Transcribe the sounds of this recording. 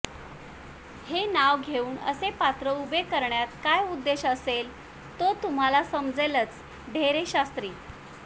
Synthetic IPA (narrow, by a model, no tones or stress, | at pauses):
henaʋɡʱeuːɳə̰sepat̪ɾəubekəɾɳjat̪̚kajud̪ːeɕəsel | t̪ot̪um̤alasəmd͡zelət͡s | ɖʱeɾeɕast̪ɾiː